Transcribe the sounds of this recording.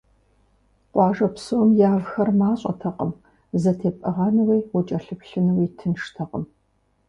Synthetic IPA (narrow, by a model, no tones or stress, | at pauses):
qʷʼɑːʒɐpsowmjaːvxɐrmaːɕʼɐ̰tʰɐqʼəm | zɐtʰeːpʼɐʁɑnɨwiːwɔt͡ʃʼɐɬɨpɬɨnɨwiːtʰɨnʂtʰɐqʼəm